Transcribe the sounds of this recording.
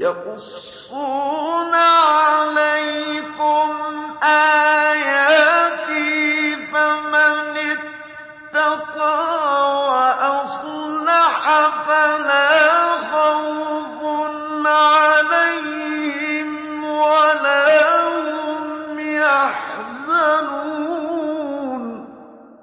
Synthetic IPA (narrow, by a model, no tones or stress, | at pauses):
jɑqʊsː | uːnaʕalajkʊmʔaːjaːt̪ɪfamanɪtː | ɑqɑːwaʔasˤlaħafalaːfɑwfʊnnʕalaj | hhɪm | walaːhʊmjaħzanu | n